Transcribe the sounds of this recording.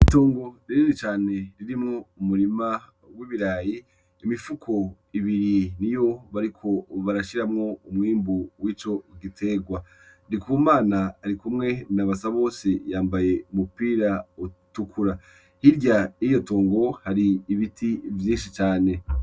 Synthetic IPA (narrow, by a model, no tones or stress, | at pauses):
itoːŋɡo̞ɾiɾinit͡ʃaːne̞ɾiɾimŋoumuɾima | wiːβiɾaːjiː | mifukʰo̞ | iβiɾinijo̞βaɾikʰo̞βaɾaʃiɾamŋo̞umŋiːmbuwiːt͡ʃo̞ɡitʰe̞ɡwa | nikuumaːnaːɾikumŋe̞naβasaβo̞ːse̞jaːmbaje̞umupiːɾautukʰuɾa | hiɾɟaijo̞toːŋɡo̞haɾiːβitʰivjiːnʃit͡ʃaːne̞